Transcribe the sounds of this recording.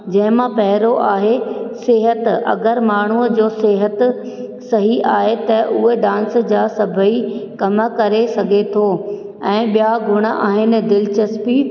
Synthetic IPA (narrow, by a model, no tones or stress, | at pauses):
d͡ʑɐ̃ɦɪ̃mãpɐɦɪɾoʔaːɦesɪɦət̪ɐ̰ɡəɾmaːɳ̤uəd͡ʑoːsɪɦət̪ | sɐɦiʔaːɦet̪ɐʔʊɦeɖãːnsd͡ʑaːsɐbʱəikɐm̆kɐɾesɐɡʱet̪ʰoː | ɛ̃ːɓijaɡʱʊɽ̃əʔa̰ːɦɪnɪ̆d̪ɪlt͡ɕɐspi